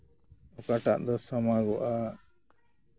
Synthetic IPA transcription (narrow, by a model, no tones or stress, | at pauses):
ɔkaʈa̰ʔd̪ɔsɔmaɡɔʔa